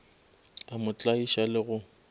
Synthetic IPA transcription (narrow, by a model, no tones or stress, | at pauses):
amʊt͡ɬʼaiʃalɪɣʊ